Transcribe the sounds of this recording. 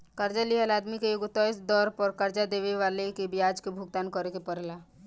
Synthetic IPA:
kɐɾd͡ʒaliəlaːd̪mikejʊɡʊt̪ɔɪsd̪ɔːɾpɐɾkɐɾd͡ʒad̪eːʋeʋaːlekebɪjaːd͡ʒkebʱʊɡ̚t̪aːnkɔɾekepəɾlaː

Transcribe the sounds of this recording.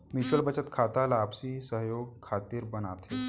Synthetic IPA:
mit͡ɕəɭbət͡ɕət̪kʰat̪alaːpsisəɦjoɡ̚kʰat̪iːɾbənat̪ʰe

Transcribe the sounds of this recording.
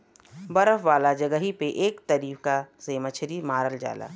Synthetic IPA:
bɐɾəfʋaːlad͡ʒɐɡəɦipeʔeːkt̪əɾiːfkaseːmət͡ʃʰɾimaːɾəld͡ʒa̰ːla̰ː

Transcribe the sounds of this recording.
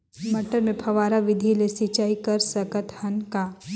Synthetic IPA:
mɐʈəɾmẽpʰɐʋaːɾaʋɪd̪ʱilesit͡ʃaːikɐɾsɐkət̪hɐnkaː

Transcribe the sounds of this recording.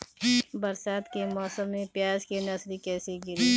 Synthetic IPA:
bəɾsaːt̪kemɔːsəmːẽpjaːd͡ʒkenɐslikɛːseɡɪɾi

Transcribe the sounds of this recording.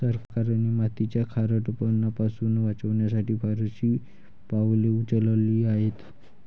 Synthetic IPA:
səɾkaɾanimat̪it͡ɕjakʰaɾəʈpənːapasuːnʋat͡səʋɳjasaʈiːbʱaɾəɕiː | paʋleut͡səlliːaɦet̪

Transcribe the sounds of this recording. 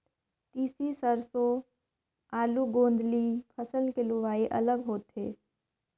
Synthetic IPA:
t̪iːsisəɾso | aːluɡõːnd̪lipʰəsəlkelʊʋaːeʔɐ̰ləɡɦoːt̪ɦeː

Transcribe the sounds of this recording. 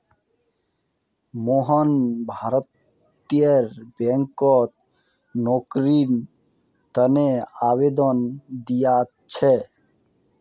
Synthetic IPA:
moɦɔnbʱaɾɔt̪ | ieɾbɛŋkɔt̪̚ | nokɾin | t̪əneabed̪ɔnd̪ija | t͡ʃʰɛ

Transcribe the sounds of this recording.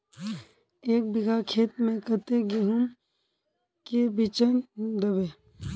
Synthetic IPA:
eːk̚bɪɡʱakʰeːt̪mẽkət̪eɡeɦum | kebit͡ʃənd̪əbeː

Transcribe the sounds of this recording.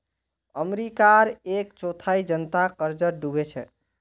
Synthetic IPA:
əmɾikaɾekt͡ʃot̪ʰaid͡ʒənt̪akəɾd͡ʒəɾɖubet͡ʃʰɛ̰

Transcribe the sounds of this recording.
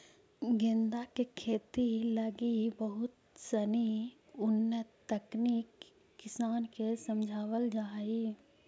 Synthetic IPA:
ɡend̪akekʰeːt̪iləɡibəɦʊt̪ | səni | ʊnːət̪əkniːkː | ɪsaːnkesəmd͡ʒʱaːʋəld͡ʒaːi

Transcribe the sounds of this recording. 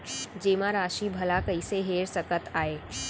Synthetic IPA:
d͡ʒeːmãɾaːʃibʱɐlakəiseɦeːɾsəkət̪aːeː

